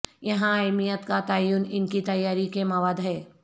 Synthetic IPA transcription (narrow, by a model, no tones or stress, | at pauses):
jɐɦãaːɪmijət̪kat̪aːjuːnɪnkit̪ɐjːaːɾikemɐʋaːd̪ɦɛː